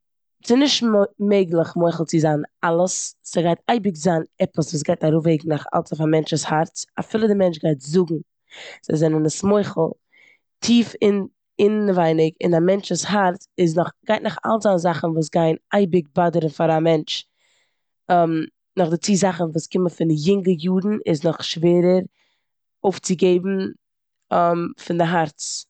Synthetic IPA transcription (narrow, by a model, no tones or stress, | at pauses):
sɪnɪʃtmeɪɡlˠəχmɔɪχl̩ˠt͡sɪzaːnalˠəssəɡaɪtaɪbɪkzaːnɛpəsvuːs̬ɡaɪtaɾʊfeɪɡŋ̩naχa̰lˠt͡safamɛnt͡ʃəshaɾta̰fɪlˠədɪmɛnt͡ʃɡaɪtzʊɡŋ̩ | z̥aɪzɛnənəsmɔɪχl̩ˠ | tʰiːfɪn | ɪnvaɪnɪkɪ̰namɛnt͡ʃʊshaɾtɪs̬nʊχɡ̥aɪtnʊχa̰lˠzanzaχn̩vuːs̬ɡaɪnaɪbɪk̚badəɾənfaɾamɛnt͡ʃ | m | nʊχdɪt͡siːzaχn̩vuːskɪməfɪnjɪŋɡəjuːdn̩ɪsnʊχʃveːɾəɾ | oʊft͡sɪɡeɪbm̩ | mfɪndɪɦaɾt͡s